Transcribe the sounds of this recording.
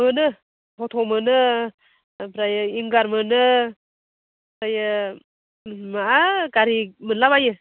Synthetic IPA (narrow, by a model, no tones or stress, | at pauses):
mɯnɯ | hɔt̪ʰɔmɯnɯ | pɾajɯiŋɡaɾmɯnɯ | pɾajɯ | maaɡaɾimɯnlaβajɯ